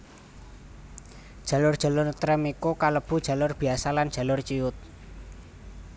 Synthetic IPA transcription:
d̥ʒ̥a̤lʊrd̥ʒ̥a̤lʊrt̪əɾəmikokaləb̥ṳd̥ʒ̥ä̤lʊrb̥i̤asaland̥ʒ̥ä̤lʊrt͡ʃiʊt̪̚

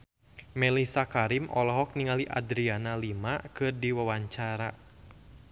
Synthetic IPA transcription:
mɛlisakaɾimʔɔlɔɦɔk̚niŋaliʔa̰dɾianalimakɨrdiwawaɲt͡ʃaɾa

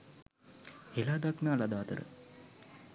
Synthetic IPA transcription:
helaːd̪aknaːlad̪aːt̪ə̰ɾə̰

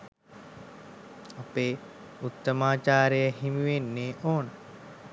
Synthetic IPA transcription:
apeː | ut̪ːəmaːt͡ʃaːɾejəɦimiʋenːeːʔoːnə

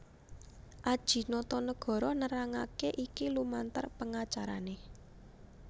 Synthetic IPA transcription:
ʔad̥ʒ̥i̤nɔt̪ɔnəɡ̥ɔ̤ɾɔnəɾaŋa̰keʔikilumant̪ə̰rpəŋat͡ʃaɾa̰ne

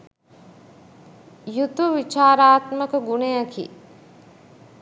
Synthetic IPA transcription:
jut̪uʋit͡ʃaːɾaːt̪məkəɡunejakḭ

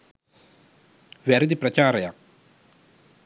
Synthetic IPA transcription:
ʋɛɾid̪ipɾɐt͡ɕaːɾɐja

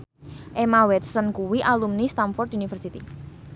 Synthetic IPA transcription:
ʔemawɛt̪sənkuwiʔalumnist̪amfɔrt̪unifərsit̪i

